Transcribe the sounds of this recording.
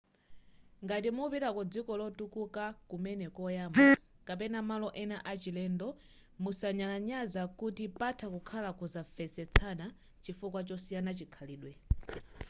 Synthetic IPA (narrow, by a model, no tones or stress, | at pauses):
ŋɡatimupiɾakɔd͡zikɔlɔtukukakumɛnɛkɔjaːmakapɛnamalɔʔɛnaʔat͡ʃilɛndɔ | musaɲalaɲazakutipatʰakukʰalakuzafɛsɛt͡sʰana | t͡ʃifukwat͡ʃɔsijanat͡ʃikʰaliːɗwɛ